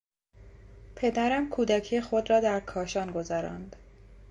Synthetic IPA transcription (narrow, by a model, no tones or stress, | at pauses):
pʰe̞d̪æɾæmkʰuːd̪æcʰijexo̞d̪ɾɒːd̪æɾkʰɒːʃɒːnɡo̞zæɾɒ̰nd̪̥